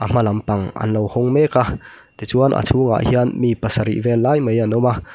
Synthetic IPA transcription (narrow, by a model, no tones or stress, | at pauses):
ʔɐm̥ɐlɐmpɐŋɐ̰nlɔwhʊŋmɛka | t̪it͡suanʔa̰t͡sʰuːŋa̰ʔhianmiːpɐsɐɾḭʔvɛlːajmejanɔma